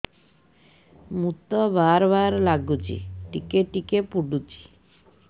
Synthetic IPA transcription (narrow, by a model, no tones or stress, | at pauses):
mut̪ɔbaɾbaɾlaɡut͡ʃḭʈikeʈikepuɖut͡ʃi̥